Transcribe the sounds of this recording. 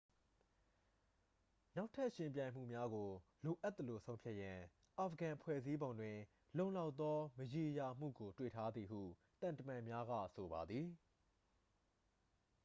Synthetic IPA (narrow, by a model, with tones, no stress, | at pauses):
na˦ʊtʰːa˦ʔʃɪ̃˨mp̬jã˨ɪ̃m̥ṵ˦˨mja˦ɡo˨lo˨ʔa˦t̪ːə˨lo˨sʰõ˦ʊ̃mpʰja˦ʔjã˨ | ʔa˨pʰəɡã˨pʰwɛ̰˦˨zi˦bõ˨ndwɪ̃˨ | lõ˦˨ʊ̃la˦ʊʔt̪ːɔ˦məje˨ja˨m̥ṵ˦˨ɡo˨twḛ˦˨tʰa˦d̪ði˨ɦṵ˦˨ | t̪ã˨ntə˨mã˨mja˦ɡa̰˦˨so˨ba˨d̪ði˨